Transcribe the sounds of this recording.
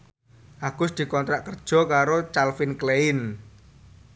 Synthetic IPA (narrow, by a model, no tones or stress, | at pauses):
ʔaɡ̥ʊsd̪̥i̤kɔnt̪ɾaʔkərd̥ʒ̥ɔ̤kaɾot͡ʃalfɪnkleɪn